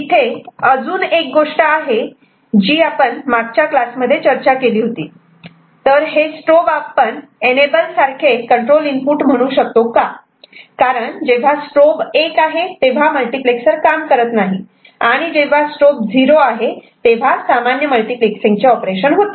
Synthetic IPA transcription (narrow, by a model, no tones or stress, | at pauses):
it̪ʰeəd͡zuːnek̚ɡoʂʈəaɦe | d͡ʑiːapəɳmaɡ̚t͡ɕjaklasməd̪ʱːjet͡ɕəɾt͡ɕakeliːɦot̪ḭː | t̪əɾɦesʈɾobapənenebəlsaɾkʰekəɳʈɾolinpuːʈm̤əɽ̃uːɕək̚t̪oka | kaɾəɳd͡ʑeʋ̤asʈɾobekaɦet̪eʋ̤aməlʈikleksəɾkamkəɾət̪naɦi | aɽ̃id͡ʑeʋ̤asʈɾop̚d͡zʱiɾoaɦet̪eʋ̤asamanjəməlʈikleksĩŋɡt͡ɕeɔpɾeɕənɦot̪e